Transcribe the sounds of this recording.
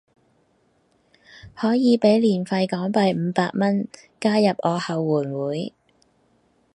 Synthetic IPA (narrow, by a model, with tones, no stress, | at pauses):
hɔː˨˥jiː˨˧pe˨˥jliː˨˩nfɐ˧jkɔː˨˥ŋpɐ˧jm̩ː˨˧paː˧k̚mɐ˥n | kaː˥jɐ˨p̚ʔɔː˨˧hɐ˨wːuː˨˩nwuː˨˥j